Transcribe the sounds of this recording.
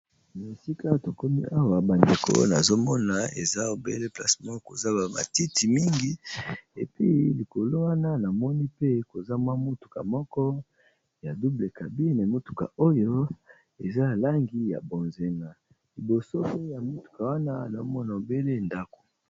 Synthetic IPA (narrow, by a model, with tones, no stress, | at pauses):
na˨si˦ka˦to˨ko˦mi˦ʔa˦wa˨ba˨nde˨kʰo̰˦na˨zo˦mɔ˦na˨ḛ˨za˦o˨bḛ˦le˦pla̰˦smɔ˦ko˨za˦ba˨ma̰˨ti˦ti˨mi˦ŋɡi˦e˨pi˦li˨ko˨lo˦wa˦na˦na˨mɔ˦ni˦pe˦ko˨za˦mwa˦mo˦tu̥˨ka̰˨mɔ˦kɔ˦ | ja˨du˦ble˨ka˨bi˦na˨a˨mo˦tu̥˨ka̰˨o˦jo˦ | e˨za˦a˨la˦ŋɡi˦ja̰˨bo˨nze˨ŋa˨ | li˨bo˨so˦pe˦ja˨mo˦tu̥˨ka˨wa˦na˦˨na˨zo˦mɔ˦na˨o˨be˦le˦˨nda˦ko̥˨